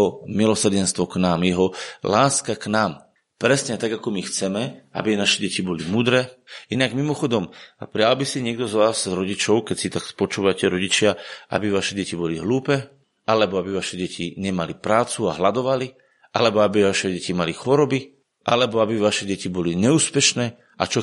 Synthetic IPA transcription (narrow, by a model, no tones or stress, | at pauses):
ɔmilɔsr̩ɟɛnst̪ʋɔknaːmjɛɦɔlaːskaknaːm | pɾɛsɲɛt̪aɡakɔmixt͡sɛmɛa̰bianaʃɛɟɛcibɔlimuːd̪ɾɛːinaɡmimɔxɔd̪ɔmpɾɪalbisiɲɪɛɡ̚d̪ɔzʋaːzzɾɔɟit͡ʃɔʊkɛsit̪akspɔt͡ʃuːʋacɛɾɔɟit͡ʃɪaʔa̰biʋaʃɛɟɛcibɔliɦluːpɛː | ʔalɛbɔabiʋaʃɛɟɛcʰiɲɛmalipɾaːt͡suaɦlad̪ɔʋali | ʔalɛbɔabiʋaʃɛɟɛcimalixɔɾɔbi | ʔalɛbɔabiʋaʃɛɟɛcibɔliɲɛuːspɛʃnɛː | ʔa̰t͡ʃɔ